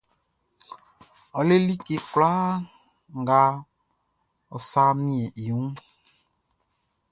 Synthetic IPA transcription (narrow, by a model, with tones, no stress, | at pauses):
ɔ˨le˦li˦ke˧kla˦ | ŋ˦ɡa˧˦ | ɔ˨sa˦mĩ˦e˨ʔi˨wũ˦